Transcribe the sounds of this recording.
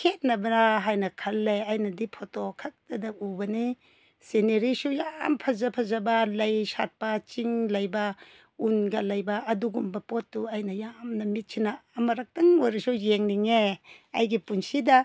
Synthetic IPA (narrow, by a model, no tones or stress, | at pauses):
kʰet̚nɐbɐnaɦajnɐkʰɐlːejajnɐdipʰotokʰak̚tɐdaubɐni | seneɾisujampʰɐzɐpʰɐzɐbalɐjsat̚pat͡ʃiŋlɐjba | unɡɐlɐjbaːduɡumbɐpotːuajnɐjamnɐmit̚sʰinaːmɐɾak̚tɐŋojɾisujeŋniŋe | ɐ̰jɡipunsidɐ